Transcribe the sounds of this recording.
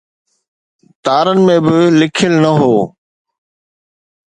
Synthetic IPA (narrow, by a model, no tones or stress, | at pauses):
t̪aːɾənɪ̆mẽːbɪlɪkʰɪlnəɦoː